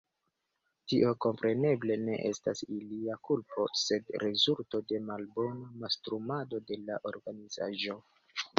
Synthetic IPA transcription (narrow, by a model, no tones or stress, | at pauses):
tiʔo̞ko̞mpɾʔe̞ne̞ble̞ne̞ʔestasiliakulpo̞se̞dɾezulto̞de̞malbo̞namastɾumado̞de̞laʔo̞ɾɡaniza̰ʒo̞